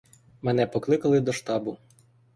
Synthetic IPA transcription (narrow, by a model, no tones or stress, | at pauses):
mɛnɛpɔklˠɪkɐlˠɪd̪ɔʃt̪ɑbʊ